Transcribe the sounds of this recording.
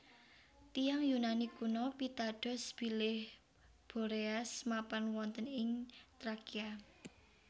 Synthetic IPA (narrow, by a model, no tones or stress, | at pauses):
t̪ijaŋjunanikunɔpit̪aɖ̥ɔ̤sb̥i̤lɪh | b̥o̤ɾeasmapanwɔnt̪ənɪŋt̪ɾakia